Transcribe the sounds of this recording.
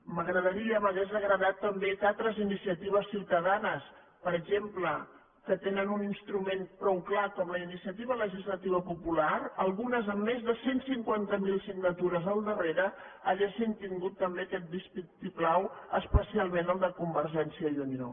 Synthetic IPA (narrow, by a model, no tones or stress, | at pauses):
məɣɾəð̞əɾiəβəðezəɣɾəðat̪ːəmbekat̪ɾəzinisiət̪iβ̞əsːiwt̪əðanəs | pəɾəʒemplə | kət̪enənuninst̪ɾumenpɾɔwklakɔmləinisiət̪iβ̞ələʒizlət̪iβ̞əpupulaɾəlˠɣunəzəmːezðəsensiŋkwant̪əmilˠsiɡnət̪uɾəzəlˠd̪əreɾə | aʎaʒint̪iŋɡut̪ːəmbekɛt̪̚bispikt̪iklawəspəsialˠmenəlˠd̪əkumbəɾʒɛnsiəjunio̰